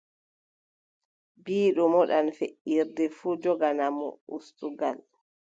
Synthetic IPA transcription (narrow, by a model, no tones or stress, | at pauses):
biːɗɔmɔɗanfeʔiɾdɛfud͡ʒɔɡanamɔ̰ṵstuɡal